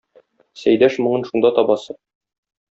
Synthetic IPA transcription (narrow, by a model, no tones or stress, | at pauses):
sæjd̪æʃmŏɴɤnʃund̪ɑt̪ɒbɑsɤ